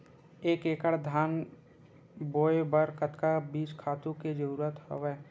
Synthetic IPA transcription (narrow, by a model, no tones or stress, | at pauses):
eːkeːkəɽd̪ʱaːn | boːbəɾkət̪kabiːt͡ʃkʰaːt̪ũked͡ʒəɾuːɾət̪ho̰ʋɛː